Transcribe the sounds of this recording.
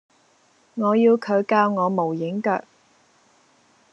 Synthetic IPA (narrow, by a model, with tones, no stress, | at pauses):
ŋɔː˨˧jiː˧wkʰɵ˨˧ɥkaː˧wŋɔː˨˧mo˨˩wjɪ˨˥ŋkœ̰ː˧k̚